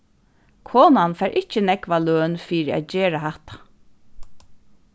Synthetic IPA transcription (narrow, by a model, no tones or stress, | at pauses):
kʰoːnanfɛːɾʔɪht͡ʃːənɛkʋaløːnfiːɾɪa̰t̪d͡ʑeːɹaɦaht̪ḁ